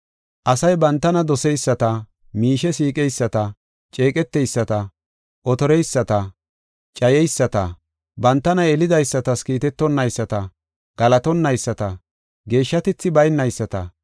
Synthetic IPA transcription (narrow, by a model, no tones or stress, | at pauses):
ʔɐsɐjbɐnt̪ːɐnɐd̪ɔsɛjsːɐt̪ɐ | miːʃɛsiːkʼɛjsːɐt̪ɐ | t͡ʃʼe̞ːkʼɛt̪ːɛjsːɐt̪ɐ | ʔɔt̪ɔɾɛjsːɐt̪ɐ | t͡ʃʼɐjɛjsːɐt̪ɐ | bɐnt̪ːɐnɐɛlɪd̪ɐjsːɐt̪ɐskiːt̪ɛt̪ːɔnːɐjsːɐt̪ɐ | ɡ̥ɐlɐt̪ɔnːɐjsːɐt̪ɐ | ɡe̞ːʃːɐt̪ɪt͡sːɪbɐjnːɐjsːɐt̪ɐ̰